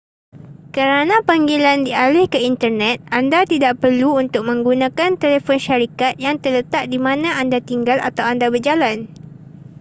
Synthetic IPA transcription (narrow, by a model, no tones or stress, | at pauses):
kəɾanãpaŋɡilandialɪhkəint̪ərnɛ̃t̪̚andat̪idaʔpərluunt̪ʊk̚mə̃ŋɡunãkant̪elefɔnʃaɾikat̪̚jaŋt̪ərlət̪aʔ̚dimãnãandat̪iŋɡala̰t̪awandabərd͡ʒalan